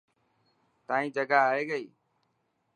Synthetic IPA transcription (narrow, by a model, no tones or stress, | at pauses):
t̪ãːĩːd͡ʒəɡaːɦaːeːɡəiː